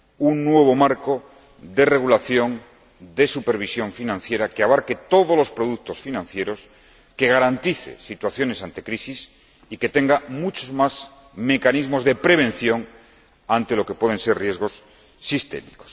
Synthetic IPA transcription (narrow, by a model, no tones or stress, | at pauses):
unːwe̞β̞o̞maɾko | d̪e̞re̞ɣulaθjo̞n | d̪e̞supe̞ɾβ̞isjo̞ɱfinãnθje̞ɾakeaβ̞aɾke̞t̪o̞ð̞ozlo̞spɾo̞ðuk̚t̪o̞sfinãnθje̞ɾo̞s | ke̞ɣ̞aɾant̪iθḛsit̪waθjo̞ne̞sant̪ekɾisis | ike̞t̪e̞ŋɡamut͡ʃozmaz | me̞kanizmo̞zðe̞pɾe̞β̞ẽ̞nθjo̞ŋ | ant̪e̞lo̞ke̞pwe̞ð̞ense̞rrje̞zɣ̞o̞sː | ist̪e̞̰miko̥s